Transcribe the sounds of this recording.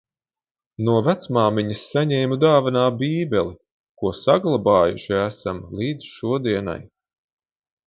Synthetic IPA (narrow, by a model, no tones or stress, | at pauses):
nuɔvæt̪smaːmiɲɐsːaɲɛjmud̪aːvanaːbiːbʲɛli | kuɔsaɡlˠabɑːjuʃiæsamlˠiːd̪zʃuɔd̪iɛna̰j